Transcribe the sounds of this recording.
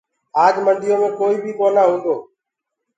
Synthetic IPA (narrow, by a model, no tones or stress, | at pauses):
aːd͡ʒmənd̪ɪjõːmẽːkoːiːbʱiːkoːnaːɦũːnd̪oː